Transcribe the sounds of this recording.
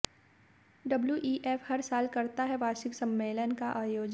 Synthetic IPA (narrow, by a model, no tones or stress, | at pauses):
ɖɐbljuʔiːʔeːfhɐɾsaːlkɐɾt̪aɦɛʋaːʃɪksɐ̃mːeːlənkaʔaːjoːd͡ʒ